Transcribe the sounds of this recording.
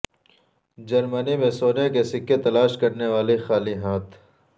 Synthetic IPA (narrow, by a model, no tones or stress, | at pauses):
d͡ʒɐɾmənimẽsoːnekesɪkːet̪ɐlaːʃkɐɾneʋaːlixaːliɦaːt̪ʰ